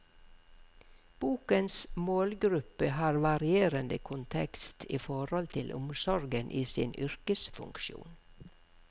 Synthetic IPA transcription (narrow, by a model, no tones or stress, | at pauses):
b̥uːkənsmoːlɡɾʉpəhɑːɾʋɑɾɪeːɾənd̪əkʰʊnt̪ʰɛkst̪ʰiːfɔɾhɔlt̪ʰɪlʔʊ̰msɔɾɡənʔiːsḭːnʔʏɾkəsfʉ̰ŋkʃṵːn